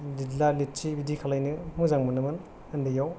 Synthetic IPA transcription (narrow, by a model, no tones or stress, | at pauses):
lidlalit̚t͡ʃibidikʰalajnɯmuzaŋmɯnɯmɯn | ɐndɯjaw